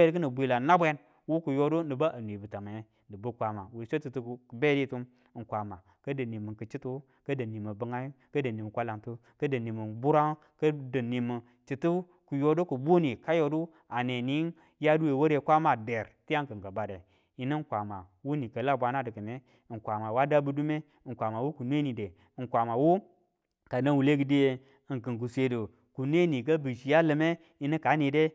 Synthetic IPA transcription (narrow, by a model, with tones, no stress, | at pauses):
e˦di˦k̬ə˦nə˨bʷi˨la˨na˦bʷe˦n | wu˦ku˨jo˦du˦nɨ˨ba˦ʔa˨n˨i˨bɨ˨ta˨ma˨˦ | dɨ˨bə˦kʷa˨ma˨wu˨lso˦t͡ʃi˨tu˦˨ku˨be˦di˦tu˦m˨ | ŋ̩˨kʷa˨ma˨ | kə˦də˨ni˨mə˨nkə˨t͡ʃi˦tu˦ | kə˦də˨ni˨mə˨bə˨ŋa˦ | kə˦də˨ni˨mə˨kʷa˦la˨mtu˦ | kə˦də˨ni˨mə˨bu˦ɾa˦ | kə˦də˨ni˨mə˨ | t͡ʃi˨tu˦ | ku˨jo˦do˦ku˨bu˦ni˨ka˦jo˨du˦ | a˨ne˨ni˨˦n | ja˦du˦we˨wo˦ɾe˨kʷa˦ma˨de˨ɾti˦ja˦ŋkə˨ŋ˨ɡə˨ba˨de˨ | i˨nə˦ŋ˦kʷa˨ma˨ | wu˦ni˨kə˨la˦˨bʷa˨na˦də˨kə˨ne˦˨ | ŋ˨kʷa˨ma˨wa˦da˦bu˦du˦me˦˨kʷa˨ma˨wu˦ku˨n˦e˦ni˨de˨ | kʷa˨ma˨wu˦ | ka˨nə˦wu˨le˦ɡi˨de˦je˨ | ŋkɨ˨ŋk̬u˨sʷe˨du˨ | ku˨ne˦ni˨kə˦bɨ˨ʃi˨ja˦lə˨me˦ | i˦ni˦ka˨˦ni˨de˦